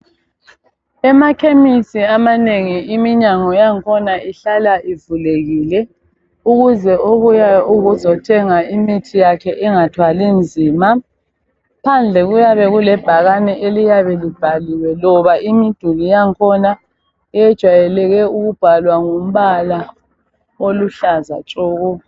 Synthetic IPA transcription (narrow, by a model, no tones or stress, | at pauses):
ɛmakʰemisiamaneŋiimiɲaŋɔjaŋkʰɔnaiɬalaʔivuleɣiːlɛ | uɣuzɛʔoβujauɣuzɔtʰɛŋaimitʰijakʰɛʔɛŋatʰwalind͡zʱiːma | pʰand͡ɮʱɛɣujaβɛɣulɛb̥ʱaɣanɛʔelijaβɛlib̥ʱaliwɛlɔβaʔimid̥ʱulijaŋkʰɔna | ɛjɛd̥ʒ̥ʱwajɛlɛɣɛuɣub̥ʱalwaŋum̩βala | oluɬaza̰t͡ʃʼɔːɣɔ